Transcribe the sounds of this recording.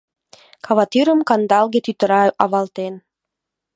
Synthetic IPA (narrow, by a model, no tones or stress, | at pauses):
kʰɑβɑt̪iɾə̆mkɑnd̪ɑlˠɣet̪yt̪ə̆ɾɑɑ̰βɑlt̪en